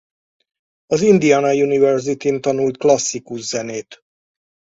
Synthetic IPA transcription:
ɒzind̪ijaːnɒjunivɛrzit̪int̪ɒnult̪klɒsːikuʃzɛneːt̪

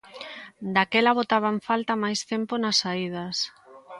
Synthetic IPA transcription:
d̪akɛlaβot̪aβ̞aɱfalt̪amajst̪emponasaið̞as

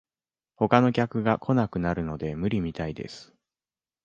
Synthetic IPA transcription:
ho̞kano̞kʲakɯ̟ɡakʰo̞nakɯ̟naɾɯ̟no̞d̪e̞mɯ̟ɾʲimʲit̪aid̪e̞̰sɨ̥

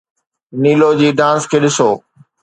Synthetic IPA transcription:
niːlod͡ʑiːɖãːskʰeːɗɪsoː

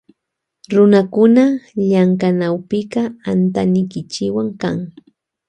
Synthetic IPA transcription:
ɾʊnakʊnaʎaŋkanawpɪqɑant̪anɪkɪt͡ʃɪwaŋkaŋ

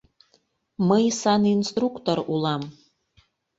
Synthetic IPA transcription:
məjsɑninst̪rukt̪oɾulˠɑm

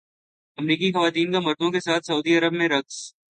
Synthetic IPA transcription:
ɐmɾiːkixɐʋaːt̪iːnkamɐɾd̪õkesaːt̪ʰsɐuːd̪iɐɾəbmẽɾɐks

